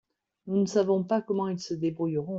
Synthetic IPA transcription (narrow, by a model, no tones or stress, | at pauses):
nunəsavɔ̃pakɔmɑ̃ilsəd̪ebʁujʁɔ̃